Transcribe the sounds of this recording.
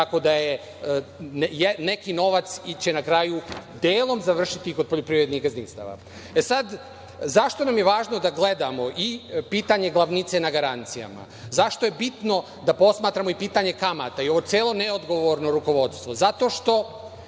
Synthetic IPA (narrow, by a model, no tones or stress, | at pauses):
t̪ako̞d̪aje | jenekino̞ʋat̪sit͡ɕe̞nakɾajud̪eːlˠo̞mzaʋr̩ʃit̪ikod̪̚poʎopɾiːɾe̞d̪niɣɡazniːst̪a̰ʋa̰ | esad̪ | zaʃt̪o̞namje̞ʋaːʒno̞d̪aɡle̞d̪amo̞ʔipiːt̪aɲe̞ɡlˠaʋnit̪se̞naɡaɾant̪sija̰ma̰ | zaʃt̪o̞je̞bit̪no̞ | d̪apo̞smaːt̪ɾamo̞ipiːt̪aɲe̞kamat̪aio̞ʋot̪eːlˠo̞neod̪ɡo̞ʋo̞ɾno̞ɾuko̞ʋo̞t̪st̪ʋo̞zat̪o̞ʃt̪o̞